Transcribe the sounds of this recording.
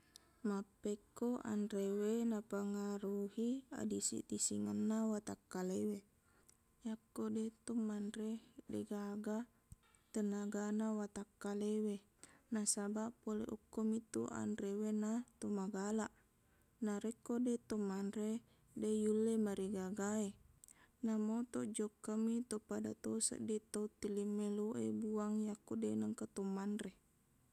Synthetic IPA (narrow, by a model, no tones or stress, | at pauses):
mapːekːoʔa̰nrewenapaŋaɾuhia̰disḭt̪isiŋanːawat̪akːalewe | jakːodet̪ɔmːanɾediɡaɡa | t̪ənaɡanawat̪akːalewe | nasabapolḛʔukːomit̪ṵʔa̰nrewenat̪omaɡalaʔ | naɾekːodet̪omanre | dejulːemaɾiɡaɡae | namot̪od͡ʒɔkːəmit̪opada̰t̪osə̰ʔdit̪out̪ilimːeloʔḛbuaŋjakodenəŋkat̪omanre